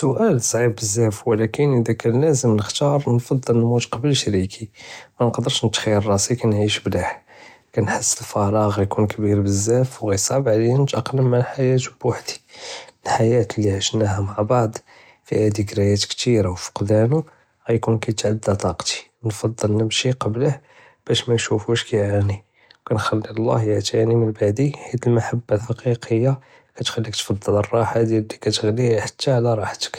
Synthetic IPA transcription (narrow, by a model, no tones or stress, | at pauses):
sʊʔælsˤʕibbəzːæfwlækənʔəd̪ækænlæzəmnəxt̪ɑɾˤnfɑd̪ˤːəlnmud̪qɑbəlʃɾikʰimænqd̪əɾˤʃnət̪xijəɾˤɑsikænʕiʃbd̪aħ | kænħəsːəlfɑɾˤɑɣæjkunkbiɾbəzːæfwɣæjsˤɑbʕliənt̪ʔəqnəmːalħajæt̪baħd̪i̥əlħajæt̪əlːiʕəʃnæhæmaʕbɑʕd̪ˤ | fihæd̪ikɾæjæt̪kt̪iɾawfə̥qd̪ænu | ɣæjkunkæjət̪ʕad̪ːæt̪ˤɑqt̪i̥ | nfɑd̪ˤːəlnəbʃiqɑbləh | b̥æʃmænʃufuʃkæjʕani | wkænxælːilˤːɑ̰hjəʕt̪ʰænimənbaʕd̪iħit̪əlmaħabːalħaqiqʰəjːa | kæt̪xælːikt̪fɑd̪ˤːələrˤːɑħad̪ijæd̪ːikæt̪əɣliħḁt̪ːaʕlæɾˤɑħt̪ə̥k